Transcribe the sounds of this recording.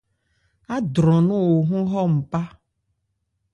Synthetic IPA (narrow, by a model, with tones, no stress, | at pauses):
a˦dɾɔ̃˨nũ˦wo˨ɦũ˦ɦɔ˦m̩˨pa˦